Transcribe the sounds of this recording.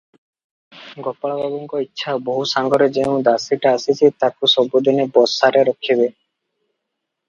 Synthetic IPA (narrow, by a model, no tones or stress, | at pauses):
ɡɔpːaɭababɔŋkɔitːʃʰaboɦusaŋɡɔɾed͡ʑeũd̪asiʈaasit͡ɕʰet̪akusɔbːod̪ʱɔnebɔsaɾeɾɔkʰːibe